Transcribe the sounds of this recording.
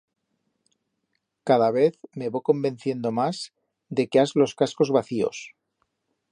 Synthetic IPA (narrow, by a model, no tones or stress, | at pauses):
kað̞aβ̞e̞θme̞βojko̞mbe̞nθje̞nd̪o̞maz | d̪e̞keazlo̞skasko̞zβaθio̞̰s